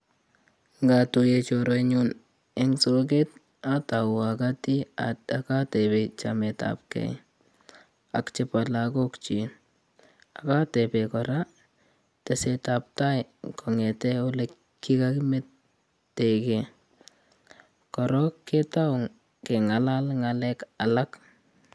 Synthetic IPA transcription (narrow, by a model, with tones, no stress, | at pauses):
ŋɡa˨tu˨je˨t͡ʃɔɾɔɲun | ɛŋsok̬e˦t̚ | a˦ta˨wʊ˨a˨kati˦a̰˨taka˦tɛpe˨t͡ʃa̰mɛta̰pkɛ̰˨j | a˨kt͡ʃe˦pa˨lako˦kt͡ʃi˨ | a˨ka˦tɛpekɔɾa | tɛ˨se˨ta˨p̚ta˦jkɔ˨ŋɛ˨tɛ˦o˦lɛ | kːi˦kakime˦tː | teke˨ | kɔ˨ɾɔ˦kːe˦ta˦ʊ˨ŋ | ke˨ŋa˨la˦lŋalɛkala˦k